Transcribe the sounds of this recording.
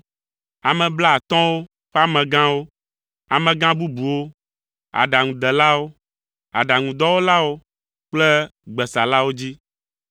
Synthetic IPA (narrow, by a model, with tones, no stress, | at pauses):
a˨mɛ̃˨bla˦˨t̪ɔ̃˦wo˦ | ɸɛ˦a˦mɛ̃˨ɡã˦wo˦ | a̰˨mɛ̃˨ɡã˦bu˦bu˨wo˦ | a̰˨ɖa˨ŋũ˨d̪ɛ˨la˦wo˦ | a̰˨ɖa˨ŋũ˨d̪ɔ˦wo˦la˦wo˦ | k͡plɛ˦ɡ͡bɛ˨sa˨la˦wo˦d͡ʑi˦